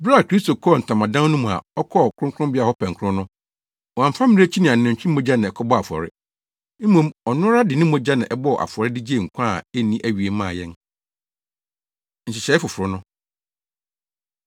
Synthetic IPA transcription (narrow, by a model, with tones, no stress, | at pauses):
bɾa˦˨kʰɾi˦sto˨kʰɔ˦˨n̩˨tʰã˨mã˨dã˦nũ˦m̃˨a̰˨ɔ˦kʰɔ˦˨kʰɾʊ̃˦ŋkʰʊ̃˦bɪ˦a˦hɔ˦pʰɛ̃˨ŋ˨kʰʊ˦ʊ̃˦nʊ̃˦ | wɔ˨ã˨fã˦mɪ̃˦e˦t͡ɕʰi˦nɪ̃˨ã˨n˨ɪ̃˨ɲ̩˨t͡ɕᶣĩ˦mɔ̃˦d͡ʑa˦nã˨ɛ˨kʰɔ˦bɔ˦a˨fɔ̰˨ɾɪ̰˦ | m̩˦mõ˨mɔ˨nʊ̃˦ɾa˦dɪ˨nɪ̃˦mɔ̃˦d͡ʑa˦nã˨ʔɛ˦bɔ˦˨ʔa̰˨fʊ˨ɔ˨ɾɪ˦dɪ˦d͡ʑi˦e˦˨ŋ̩˨kʷʰã˦˨ɛ˦nĩ˦ʔæ˦˨ɥi˨e˨˦mã̰ː˦˨jɛ̃˦n | ɲ̩˨t͡ɕɪ˨ɕɛ˨˦ɛ˦fʊ˨fʊ˨ɾʊ˦nʊ̃˦